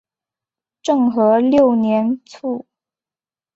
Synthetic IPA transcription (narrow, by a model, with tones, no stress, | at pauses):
ʈ͡ʂɤ˥˩ŋxɤ˧˥ljo˥˩ʊnjɛ˧˥nt͡sʰu˥˩